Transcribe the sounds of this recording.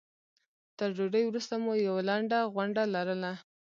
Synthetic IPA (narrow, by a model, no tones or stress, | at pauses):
t̪əɾd͡ʒoɖəjwɾust̪amojawalaɳɖaɣwaɳɖalaɾəla